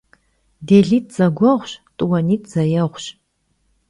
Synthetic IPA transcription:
deːɮiːt̚ʰz̥ɐɡʷɔʁʷɕtʼuwɐniːtʰz̥ɐjɛʁʷɕ

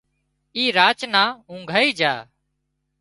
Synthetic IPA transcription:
iːɾaːt͡ʃnãːũːŋɡʱaːiːd͡ʒaː

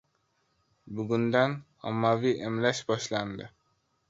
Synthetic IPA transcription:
bʊɡund̪æn | ɒ̰mːaviʔemlæʃbɒʃlˠand̪ɪ

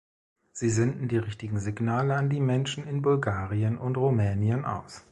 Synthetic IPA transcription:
z̥iːzɛndn̩diːʁɪçtɪɡŋ̩zɪɡnaːləandiːmɛnʃn̩ɪnbʊlɡaːʁiənʔʊntʁumɛːnjənʔa̰ʊs

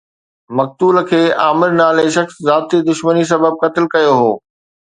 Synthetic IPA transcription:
mɐk̚t̪uːləkʰeːʔaːmɪɾnaːleʃɐxszaːt̪id̪ʊʃmənis̬ɐbəb̚kɐt̪ɪlkɐjoɦoː

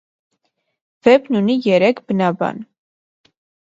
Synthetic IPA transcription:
v̥ɛbnunijɛɾɛkʰbənɑbɑ̰n

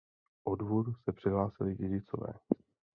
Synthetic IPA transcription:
ʔodvodusɛpr̥ɪɦlaːsɪlɪɟɛɟɪt͡so̰vɛ̰ː

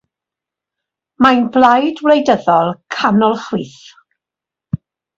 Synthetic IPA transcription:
majnblˠajdwlejdəðɔlˠkʰanɔlˠχwiːθ

